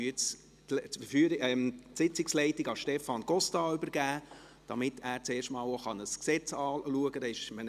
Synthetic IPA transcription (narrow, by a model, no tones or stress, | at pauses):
yt͡s | lffyːɾɪɛmtsɪt͡sɪkslɛɪtɪɡɑʃtɛfɑnɡɔstɑːʏbəɾɡæː | d̥ɑmɪtʰæːɾt͡seːɾʃtmɑːloχɑnəsksɛt͡sɑːluəɡədɑɪʃmən